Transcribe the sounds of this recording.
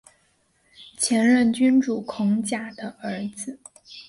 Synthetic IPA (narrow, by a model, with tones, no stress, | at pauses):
t͡ɕʰjɛ˧˥nɻə˥˩nt͡ɕy˥nʈ͡ʂu˨˩kʰʊ˧˥ŋt͡ɕja˨˩d̪̥ə˦ə˞˧˥d͡zɹ̩˧